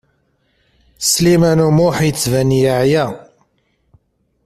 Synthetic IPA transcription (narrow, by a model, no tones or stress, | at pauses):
slimænumʊħjət͡sːvænjaʕjæ